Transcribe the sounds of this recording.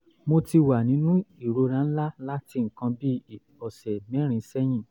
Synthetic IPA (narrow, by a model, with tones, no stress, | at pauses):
mo˧ti˧wa˨nĩ˨˦nũ˦i˨ɾo˧ɾã˨˦n̩˦la˦la˦ti˦˨ŋ̩˨kã˧bi˦˨ | ɔ˨sɛ˨mɛ̃˨˦ɾ̃ĩ˧˦sɛ˦j̃ĩ˦˨